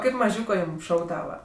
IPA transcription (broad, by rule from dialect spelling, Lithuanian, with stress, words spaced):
ˈkɐɪp mɐˈʒʲuːkoː ˈjuːm ˈʃɐʊɡdɐʋɐ